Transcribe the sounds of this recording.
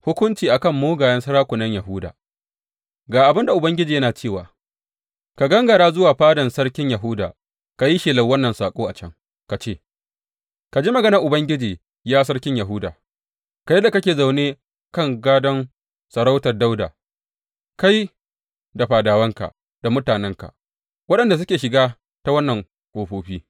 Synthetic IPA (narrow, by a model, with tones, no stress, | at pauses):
hʊ˦kʷʊ˦nt͡ʃiː˨ʔa˨kɐ˦mːoː˦ɡaː˨jɐ˦nsɐ˦ɾaː˦kʷʊ˨nɐ˦ɲjɐ˨ɦʊ˦da̰ː˨ | ɡaː˨ʔa˨bɪ˦nda˨ʔʊ˨bɐ˦ŋɡʲɪ˦d͡ʒiː˨jɐ˦naː˨t͡ʃeː˦˨waː˨ | ka˨ɡɐ˦ŋɡɐ˨ɽaː˦zʊ˦waː˨ɸaː˦dɐ˨nsɐ˦ɽkʲɪ˦ɲjɐ˨ɦʊ˦da̰ː˨ | ka˨ji˦ʃiː˨lɐ˨wɐ˦nːɐ˨nsaː˨kʷʼoː˦ʔa˨t͡ʃɐ˦ŋ | ka˨t͡ʃeː˦˨ | ka˨d͡ʒiː˦mɐ˨ɡɐ˦nɐ˨ʔʊ˨bɐ˦ŋɡʲɪ˦d͡ʒiː˨ | jaː˦s̬ɐ˦ɽkʲɪ˦ɲjɐ˨ɦʊ˦da̰ː˨ | ka˨jɛ˦da˨kɐ˦kʲeː˨za˨wneː˦ | kɐ˦˨ŋɡaː˦dɐ˦n | sɐ˨ɽa˦wtɐ˨rda˦wda̰ː˨ | ka˦ji˦ | da˨ɸaː˨daː˨wɐ˦ŋka̰˨ | d̥a˨mʊ˦taː˨nɛ˦ŋka̰˨ | wɐ˦ɗɐ˨nda˨s̬ʊ˦kʲeː˨ʃɪ˨ɡaː˦ | ta˦wɐ˦nːɐ˨ŋ | ʔoː˨ɸoː˨ɸiː˦